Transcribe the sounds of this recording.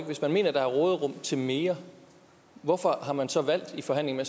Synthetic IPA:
ɡ̥ʋe̝smænme̝̰ːnɐd̥ɑ̈æɐʁɔ̽ːð̞ˠʁɔ̽mt͡sʰe̝lme̝ːɐ | ʋɒfɒ̽ɦɑ̈mænsɒ̽ʋæl̰d̥ifɒ̽ɦæn̰le̝ŋ̩nme

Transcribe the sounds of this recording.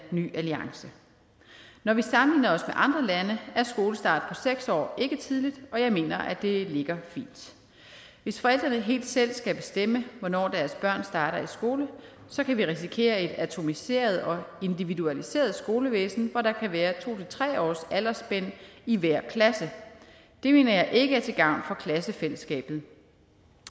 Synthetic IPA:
ny̰ːæliɑ̈ŋsə | nɒʋisɑ̈mliːnɐɒ̽smeʔɑ̈nd̥ʁɐlænəæɐsɡ̥o̝ːləsd̥ɑ̰̈ːd̥pʰɒ̽seɡ̥sɒ̰ːe̝ɡ̥ət͡sʰið̞ˠlid̥ɒ̽jɑ̈ɪme̝̰ːnɐʔæd̥e̝le̝ɡ̥ɐfḭːnd̥ | ʋe̝sfɒ̽el̰d̥ʁɐnəɦe̝̰ːld̥sel̰sɡ̥æb̥e̝sd̥em̰əʋɒnɒ̰ːd̥æɐsb̥ɶɐ̰nsd̥ɑ̈ːɾɐisɡ̥o̝ːlə | sɒ̽kʰæʋiʁis̬ikʰe̝̰ːɐe̝d̥æt͡sʰo̝mise̝̰ːɐð̞ˠɒ̽e̝nd̥iʋiduælise̝̰ːɐð̞̩ˠsɡ̥o̝ːləʋḛːsn̩ʋɒɾɑ̈kʰæʋæːɐt͡sʰo̝̰ːt͡sʰe̝lt͡sʰʁɛ̰ːɒ̰ːsælɐsb̥en̰iʋæɐ̰kʰlæsə | d̥e̝me̝̰ːnɐjɑ̈ɪʔe̝ɡ̥əæɐt͡sʰe̝ɡ̥ɑ̈ʊ̰nfɒ̽kʰlæsəfeləsɡ̥ɛ̰ːb̥ð̩ˠ

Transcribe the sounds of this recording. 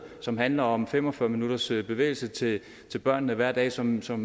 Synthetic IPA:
sɒ̽mɦænlɐɒ̽mfem̰ɒ̽fɶɐminuɾ̥ɐsb̥e̝ʋḛːɪl̩sət͡sʰe̝ | t͡sʰe̝lb̥ɶɐ̰nːəʋæɐ̰d̥ɛ̰ːsɒ̽msɒ̽m

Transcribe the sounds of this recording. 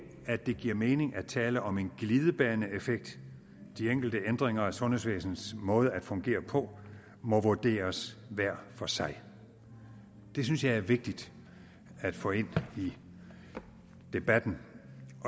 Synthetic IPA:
æ̥e̝ɡ̥iɐ̰meːne̝ŋʔæt͡sʰɛːləʔɒ̽me̝nɡ̥liːð̞ˠəb̥ɛːɐnəefeɡ̥̚d̥ | d̥ieŋ̰ɡ̥l̩d̥əʔend̥ʁeŋɐæsɔ̽nɦesʋḛːsn̩smɔ̽ːð̞ˠəæd̥fɔ̽ŋɡ̥e̝̰ːɐpʰɒ̽ | mɒ̽ʋuɐd̥e̝̰ːɐsʋæɐ̰fɒ̽sɑ̈ɪ | d̥e̝synsjɑ̈ɪæɐʋe̝ɡ̥̚d̥id̥ | æd̥fɔe̝n̰i | d̥e̝b̥æd̥n̩

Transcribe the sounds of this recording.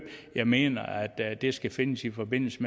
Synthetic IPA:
jɑ̈ɪme̝̰ːnɐæd̥d̥e̝sɡ̥æfe̝nəsifɒ̽be̝n̰l̩səme

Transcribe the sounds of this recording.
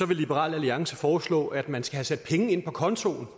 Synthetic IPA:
sɒ̽ʋe̝lːib̥eʁɑ̰̈ːlæliɑ̈ŋsəfɒːslɔ̰ːʔæd̥mænsɡ̥æhæsæd̥̚pʰeŋəe̝n̰pʰɒ̽kʰɒ̽nt͡sʰo̝̰ːn̩

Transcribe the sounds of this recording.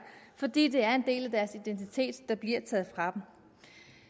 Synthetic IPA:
fɒ̽d̥ḭːd̥e̝æɐe̝nd̥e̝̰ːlæd̥æɐsid̥ent͡sʰit͡sʰe̝̰ːd̥ːɑ̈b̥liɐ̰t͡sʰɛ̰ːð̞̩ˠfʁɑ̈d̥em

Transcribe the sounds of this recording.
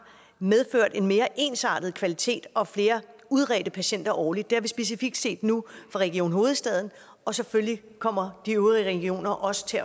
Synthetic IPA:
með̞ˠføɐ̰d̥e̝nme̝ːɐʔe̝ːnsɑ̰̈ːd̥ð̞̩ˠkʰʋælit͡sʰe̝̰ːd̥ɒ̽fle̝ːɐuð̞ˠʁɛːd̥əpʰæɕen̰d̥ɐʔɒːlid̥̚de̝æʋisb̥e̝s̬ifiɡ̥̚d̥se̝̰ːd̥nufʁɑ̈ʁɛɡ̥io̝̰ːnɦo̝ːð̞̩ˠsd̥ɛðˠn̩ | ɒ̽sefølji | kʰɒ̽m̰ɐd̥iøʁiʁɛɡ̥io̝̰ːnɐʔɒ̽sə̥t͡sʰe̝

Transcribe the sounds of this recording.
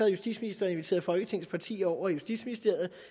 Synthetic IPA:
ɐjusd̥ḭd̥sminisd̥ɐe̝nʋit͡sʰe̝̰ːɐðˠfɒ̽lɡ̥ət͡sʰe̝ŋn̩spʰɑ̈t͡sʰḭːɒʊ̰ɐjusd̥ḭd̥sminisd̥e̝ɐ̰ð̩ˠ

